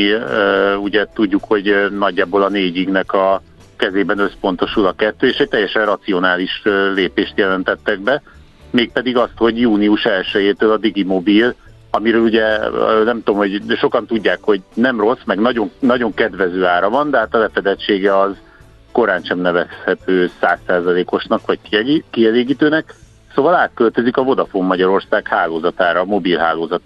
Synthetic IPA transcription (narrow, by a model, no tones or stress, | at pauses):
uɟɛt̪uɟːukho̞ɟnɒɟːaːboːlɒneːɟiɡnɛkɒ | kɛzeːbɛnø̞spo̞nt̪o̞ʃulɒkɛt̪ːøːeːʃɛc̚t̪ɛjːɛʃɛnrɒt̪sio̞naːliʃleːpeːʃt̪jɛlɛnt̪ɛt̪ːɛɡ̚bɛ | meːk̚pɛd̪iɡɒst̪ho̞ɟjuːniuʃɛlʃɛjeːt̪øːlɒd̪iɡimo̞bil | ɒmiɾøːluɟɛnɛmt̪omho̞ɟʃo̞kɒnt̪uɟːaːkho̞ɟnɛmro̞smɛɡnɒɟo̞ŋnɒɟo̞ŋkɛd̪vɛzøːaːɾɒvɒnd̪ɛɦaːt̪ɒlɛfɛd̪ɛt͡ʃːeːɡɛɒz | ko̞ɾaːnʃɛmnɛvɛshɛt̪øːsaːsːaːzɒleːko̞ʃnɒkʋɒckkiɛleːɡiːt̪øːnɛk | soːvɒlaːt̪̚kølt̪ø̞zikɒvo̞d̪ɒfoːmːɒɟɒɾo̞rsaːkhaːloːzɒt̪aːɾɒmo̞bilɦaːloːzɒt̪ː